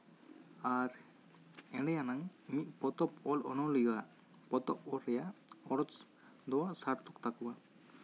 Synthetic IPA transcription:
aɾ | ɛɽɛjanaŋmiʔ̪̚ˀpɔt̪ɔpɔlɔ̰nɔlijaʔ | pɔt̪ɔp̚ɔlɾɛjaɔɽɔt͡ʃ | d̪ɔwasaɾt̪ukt̪akuwa

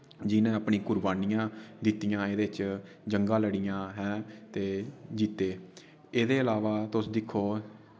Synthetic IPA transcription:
d͡ʒɪnẽːəpnĩːkʊɾbaːnijãːd̪ɪt̪ijãːeːd̪eːt͡ʃ | d͡ʒəŋɡãːləɽijãːɦɛ̃ːt̪eːd͡ʒiːt̪eː | eːd̪eːəlaːʋaːt̪ʊsd̪ɪkʰːoː

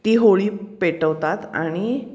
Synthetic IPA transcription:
t̪iːɦoɭiːpeʈəʋt̪at̪a̰ɽ̃i

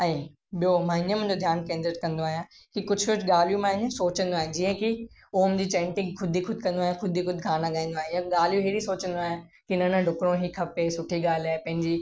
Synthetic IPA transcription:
ɛ̃ː | ɓijomaːɦɪɲəmʊ̃ːnd͡ʑod̪ʱjaːnkẽːnd̪ɾəʈkɐ̃nd̪oaːɦijã | kikʊd͡ʑʱʋɪʈʰɠaːl̤jũmãːɦɪ̃ɲsoːt͡ɕə̃nd̪oaːɦɪ̃d͡ʑiːə̃ki | oːmd͡ʑiːt͡ɕɛ̃ːɳʈɪ̃ŋɡkʰʊd̪ʱixʊd̪ʱkɐ̃nd̪oaːijãxʰʊd̪ʱixʊd̪ʱɡʱaːnãɡaːĩnd̪oaːɦĩɛ̃ɠaːl̤jũɦiɾisoːt͡ɕə̃nd̪oaːɦjã | kinənə̃ɖʱʊkɽõɦikʰɐpesʊʈʰiɠaːlaepɐ̃ɦɪ̃ɲd͡ʑiː

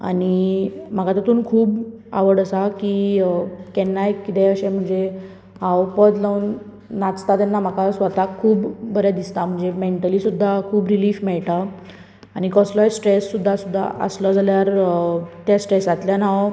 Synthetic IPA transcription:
a̰ɽ̃im̤əkat̪ət̪uːnkʰuːb | a̰ʋəɽəsaki | kɛnːajkːit̪ɛəɕem̤əɳd͡ze | ɦãwpəd̪launː | at͡st̪at̪ɛnːam̤akasʋət̪akʰːuːbbəɾjad̪ist̪am̤əɳd͡zemeɳʈəliːsud̪ʱːakʰuːbɾiliːfmɛɭʈa | aɽ̃ikɔslɔjsʈɾesːud̪ʱːasud̪ʱːa̰ʔə̰slɔd͡zaljaɾt̪jasʈɾesat̪ljanaʋ

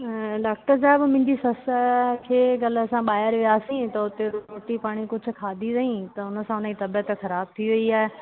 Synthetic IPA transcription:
ɖaːk̚ʈəɾs̬aːɪbmɪ̃ːɲd͡ʑisɐskʰeːɡɐlɐsãɓaːjɪəɾʋijaːsĩt̪ɐʊt̪eɾoːʈipaːɽ̃ikʊd͡ʑʱʊ̆kʰaːd̪ʱizɐɦĩt̪ɐʊnə̆sãʊnəit̪ɐbijət̪xɐɾaːb̚t̪ʰiʋɐiaːɦe

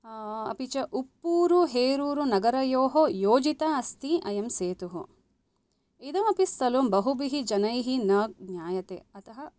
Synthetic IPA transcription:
ɐ̰pit͡ʃɐʔupːuːɾuɦeːɾuːɾunɐɡɐɾɐjoːɦojoːd͡ʒit̪aɐst̪iɐjɐmseːt̪uɦṵ | id̪ɐmɐpist̪ɐlombɐɦubiɦid͡ʒɐnɐjɦinɐːɡ̚ɲjaːjɐt̪ḛɐt̪ʰɐɦɐ

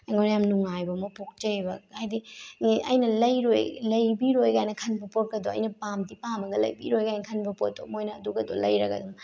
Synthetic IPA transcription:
ŋɡonjamnuŋajbɐmɐpuk̚t͡ʃɐjbɐajdiŋeʔɐjnɐlɐjɾojlɐjbiɾojɡajnɐkʰɐnbɐpot̚kɐdoɐ̰jnɐpamdipamɐɡɐlɐ̰jbḭɾojɡajnɐkʰɐnbɐpot̚do̰mojnɐːduɡɐdɔ̰lɐ̰jɾɐɡɐ̰dɔm

